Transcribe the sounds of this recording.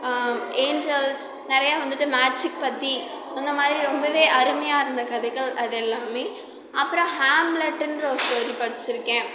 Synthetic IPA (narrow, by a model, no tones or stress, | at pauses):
eːnd͡ʒɛls | nɪɾɐjaːʋɐnd̪ɯʈːɯmaːd͡ʒɪk̚pɐt̪ːi | ɔnːɐmaːðɪɾiɾɔmbɐʋeːʔɐɾɯmɐjaːɪɾɯnd̪ɐkɐðɐɣɐɭɐðɛlːaːmeː | ʔɐpːɯɾɔ̃haːmlɐʈːɪnɾoːsʈoːɾipɐɽɪt͡ʃːɪɾɯkːẽː